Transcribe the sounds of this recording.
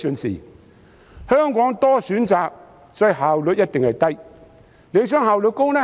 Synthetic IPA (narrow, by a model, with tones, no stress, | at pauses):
sɵ˨nsḭː˨˩ | hœː˥ŋkɔː˨˥ŋt̪ɔː˥syː˨˥nt͡saː˨k̚ | sɔː˨ɔ˧˥jɦaː˨˩wlɵ˨˧t̚jɐ˥t̚t̪ɪ˨ŋhɐ˨jt̪ɐ˥j | le˨˧wsœː˥ŋɦaː˨wlɵ˨˧t̚kʊ˥ŋnɛː˥